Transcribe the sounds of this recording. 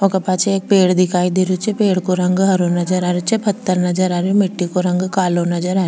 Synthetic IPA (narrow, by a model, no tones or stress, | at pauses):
okɐpaːt͡ʃʰeeːk̚peːɽd̪ɪkʰaːid̪eɾut͡ʃʰepeːɽkoɾɐ̃ŋɡɦɐɾonɐd͡ʒəɾaːɾut͡ʃʰepʰɐt̪ːəɾnɐd͡ʒəɾaːɾjomɪʈːikoɾɐ̃ŋɡkaːlonɐd͡ʒəɾaːɾ